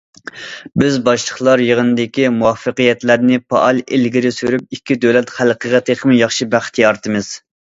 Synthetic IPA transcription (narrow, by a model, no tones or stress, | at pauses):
bɪzbɑʃlˠəχlˠɑɾjəʁənɨd̪ɪkʲimuwɑfːəqɨjɛt̪læɾnɪpɑ̰ʔɑlˠelɡʲiɾɪsyɾyp̚ikʲʰːid̪ølɛt̪χælˠqʰəʁɛt̪ʰeχʰəmjɑχʃibæχt̪ʰijɑɾt̪ʰɨmɨz̥